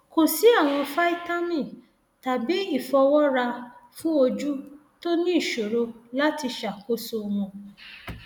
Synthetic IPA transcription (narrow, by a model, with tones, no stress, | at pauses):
ko˨si˨˦a˦˨w̃ɔ̃˧fa˦i˦ta˦nĩ˦˨ | ta˨bi˨˦i˦˨fɔ˧wɔ˦ɾa˧fũ˦o˧d͡ʒu˦ | to˦nĩ˦i˦˨ʃo˨ɾo˧la˦ti˧ʃa˨ko˦so˧mɔ̃˧